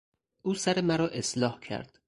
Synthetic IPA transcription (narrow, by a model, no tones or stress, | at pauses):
ʔuːsæɾemæɾɒːʔe̞slɒːhcʰæ̰ɾd̪̥